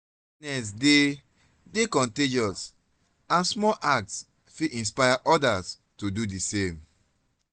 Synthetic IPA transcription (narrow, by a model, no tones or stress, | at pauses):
nɛs̬de | dekɔ̃nted͡ʒɔs | ãnsmɔʔak̚ts | fiʔĩnspajaʔɔdas | todudesẽm